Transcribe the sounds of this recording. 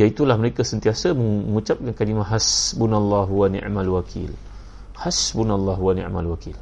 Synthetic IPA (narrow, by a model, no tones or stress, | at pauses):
jait̪ulahməɾekasənt̪iasaməəŋut͡ʃap̚kankalimãɦasbunalˤːɑɦuwanḭmalwakʰḭl | hasbunalːɑɦuwanḭ̃ʕmalwakil